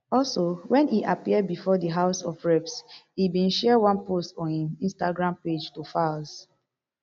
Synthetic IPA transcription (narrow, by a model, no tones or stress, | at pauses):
ɔlsowɛ̃niʔapiəd̚bifɔdəɦaʊsɔfɹɛpsibĩnʃɛəwãnpostɔ̃nhĩmĩnstaɡɹãmped͡ʒtufals